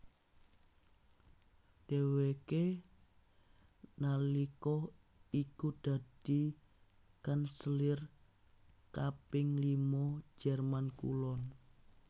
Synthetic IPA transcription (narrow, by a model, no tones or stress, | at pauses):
d̥eweke | nalikɔ | ikud̪̥a̤d̪̥i̤ | kansəlɪr | kapɪŋlimɔ̥ʒ̥ɛrmankṵlɔn